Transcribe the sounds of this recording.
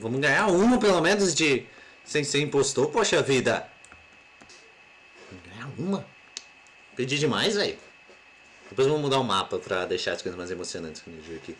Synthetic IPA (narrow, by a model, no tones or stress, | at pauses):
vɐ̃mʊzɡɐ̃ɲaũmɐpelomẽnʊzd͡ʒɪ | sẽj̃sɪĩpost̪opoʃɐvid̪ɐ | ṽmʊɡɐ̃ɲaũmɐ | ped͡ʒid͡ʒɪmajzai | d̪̥epojzvɐ̃mʊmud̪aʊmapɐpɾɐd̪ejʃaɾɐskojzɐzmajzemosionɐ̃nt͡ʃɪ̥skomed͡ʒiɐki